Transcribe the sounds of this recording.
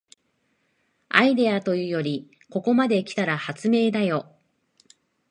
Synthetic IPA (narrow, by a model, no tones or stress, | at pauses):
aid̪e̞at̪o̞jɯ̟ːjo̞ɾʲi | ko̞ko̞mad̪e̞kʲi̥t̪aɾahat͡sɨme̞ːd̪ajo̞